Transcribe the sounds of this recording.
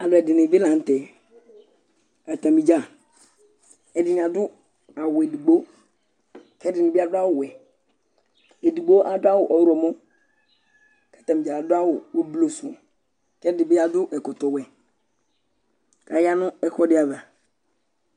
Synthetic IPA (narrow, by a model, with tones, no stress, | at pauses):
a˨lʊ˨ɛ˨dɪ˨ne˨be˦lã˨n˨tɛ˨ | a˨ta˨mi˨d͡ʒa˦˨ | ɛ˨dɪ˨nɪ˨a˨dʊ˦ | a˨wʊ˨e˨di˨ɡ͡bo˦ | kɛ˦dɪ˨nɪ˨bɪ˦a˦dʊ˦a˦wʊ˨wɛ˨ | e˨di˨ɡ͡bo˦ʔa˦dʊ˦a˦wʊ˨ʔɔ˨wɾɔ˨mɔ˦ | ka˦˨tã˨mi˨d͡ʒa˨dʊ˦a˦wʊ˨o˦blo˨su˨ɔ˨ | kɛ˦dɪ˨bɪ˦a˦dʊ˦ʔɛ˨kʊ˨tɔ˨wɛ˨ | ka˨ja˦nʊ˦ɛ˦kɔ˦dɪ˦a˨ba˨